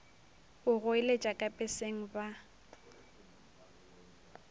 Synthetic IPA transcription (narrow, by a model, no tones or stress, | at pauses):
ʊɣʊɪlet͡ʃʼakʼapʼɪseŋ̩ba